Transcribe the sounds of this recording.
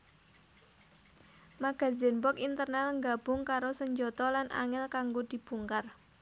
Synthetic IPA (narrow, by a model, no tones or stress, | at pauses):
maɡ̥a̤zɪnbɔkint̪ərnalŋɡab̥ʊŋkaɾosəɲd͡ʒɔt̪ɔlanʔa̰ŋɪlkaŋɡod̪̥i̤b̥uŋkar